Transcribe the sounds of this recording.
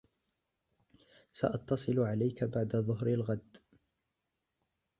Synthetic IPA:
sa̰ʔɑt̪ːɑsˤɨlʕalajkabaʕd̪aðˤʊɦɾalɣad̪

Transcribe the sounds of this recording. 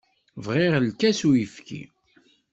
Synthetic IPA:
vʁɪʁlkæsujəfkḭ

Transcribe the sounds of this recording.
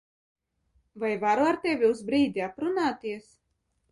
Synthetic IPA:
vajvaɾuaɾt̪ɛvʲiuzbɾiːd̪ʲiapɾunaːt̪iɛs

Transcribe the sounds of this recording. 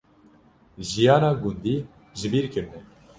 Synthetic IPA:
ʒijɑːnɑːɡund̪i | ʒɨbiɾkɨɾnɛ

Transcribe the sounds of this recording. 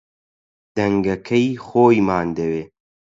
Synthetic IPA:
d̪̥ɐŋɡɐkʰɐjxoːjmaːnd̪ɐweː

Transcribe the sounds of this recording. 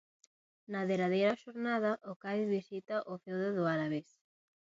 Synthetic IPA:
naðeɾaðejɾɐʃoɾnað̞ɐʔʊkaðiβisit̪aʔʊfewðaðʊaɾaβes

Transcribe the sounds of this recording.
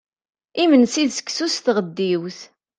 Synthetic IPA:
imənsiðsə̥kːsusθʁəd̪ːiwθ

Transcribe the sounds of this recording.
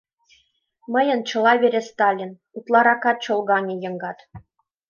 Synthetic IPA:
mɤ̆jɤ̆nt͡ɕɤ̆lˠɑβʲeɾʲĕst̪ɑlʲːin | ut̪lˠɑɾɑkɑt̪̚t͡ɕolˠɡɑŋʲĕjɤ̆ŋɡɑt̪

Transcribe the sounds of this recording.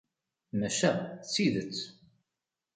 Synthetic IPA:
mæʃæθsiðət͡sː

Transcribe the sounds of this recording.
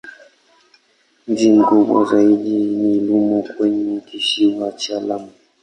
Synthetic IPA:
ɲ̩d͡ʒim̩kuɓwa̰zaiɗinilumɔkwɛɲɛkiʃiwat͡ʃalama

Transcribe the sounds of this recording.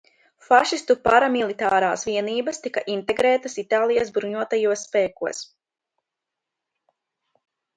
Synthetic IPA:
faʃist̪upaɾamilˠit̪aːɾaːsviɛniːbast̪ikaʔint̪eɡɾɛːt̪asit̪aːlˠijas̬bɾuɲuɔt̪ajuɔsːpɛːkuɔs

